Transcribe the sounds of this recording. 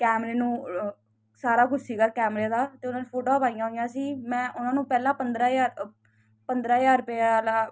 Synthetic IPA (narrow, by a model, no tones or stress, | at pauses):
kɛːmɾeːnũː | saːɾaːkʊt͡ʃsiːɡaːkɛːmɾeːd̪aːt̪eːʊnãːnẽːpʰoːʈoːpaːijãːɦoːɪjãːsiːmɛ̃ːʔʊnãːnũːpɛːlãːpənd̪ɾaːaːɾ | pənd̪ɾaːjaːɾpɛlaː